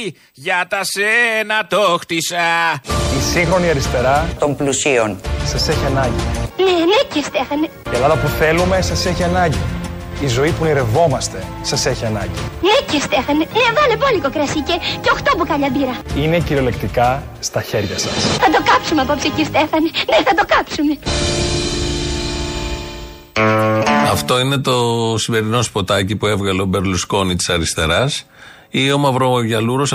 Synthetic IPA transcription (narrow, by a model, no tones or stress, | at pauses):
ʝɐt̪ɐsenɐt̪oxt̪isɐisiŋxɾo̞niɐɾist̪e̞ɾɐt̪o̞mplusionsɐse̞çiɐnɐɲɟinenecest̪efɐneelɐðɐpuθe̞lume̞sɐse̞çiɐnɐɲɟi | izo̞ipuniɾe̞vo̞mɐst̪e̞ | sɐse̞çiɐnɐ̰ɲɟinecest̪efɐnenevolebolikokɾɐsiceceoxt̪opukɐʎɐbiɾɐine̞ciɾiole̞kt̪ikɐ | st̪ɐçe̞ɾʝɐsɐsθɐd̪o̞kɐpsumeɐpopsicist̪efɐneneθɐd̪okɐpsume | ɐft̪o̞ine̞t̪o̞sime̞ɾino̞spo̞t̪ɐcipue̞vɣɐleobe̞ɾlusko̞nit̪i̥sɐɾist̪e̞ɾɐs | io̞mɐvɾooʝɐluɾo̞s